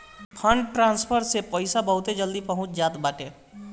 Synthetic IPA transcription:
pʰə̃ɳɖʈɾãːnspʰəɾsepəɪsabəɦʊt̪ed͡ʒəld̪ipəɦʊ̃t͡ʃʰd͡ʒaːt̪baːʈẽ

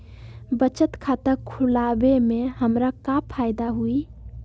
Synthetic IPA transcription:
bət͡ʃət̪kʰat̪əɾkʰulabemeɦəmɾakapʰajd̪aɦui

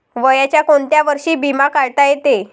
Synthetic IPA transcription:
ʋəjat͡ɕjakoɳt̪jaʋəɾʂiːbimakaɭt̪ajet̪e

